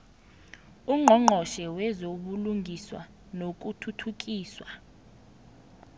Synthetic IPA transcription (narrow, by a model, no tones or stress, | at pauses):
uŋ͡ǃʱɔŋ͡ǃʱɔʃɛwɛzoɓuluŋɡʱiswa̰ | nok̬utʰutʰuk̬ʼiːswa